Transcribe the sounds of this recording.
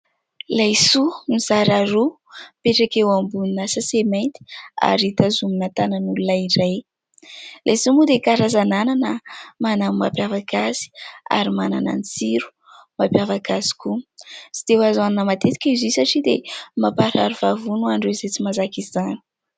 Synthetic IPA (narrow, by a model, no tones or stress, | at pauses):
lajsumiz̥aɾaɾu | peʈ͡ʂakewambuninasasemant̪i̥a̰ɾit̪azuminat̪anənululaiɾaj | lʔajsumud̪ekaɾazanananəmanamapjavakazi̥a̰ɾimanana̰nit͡siɾu̥ | mapjavakazi̥kusi̥t̪ewazanunamat̪et̪i̥kʲizisaʈ͡ʂid̪emapaɾaɾuv̥avunuaɳɖ͡ʐwezet͡simazakizanu̥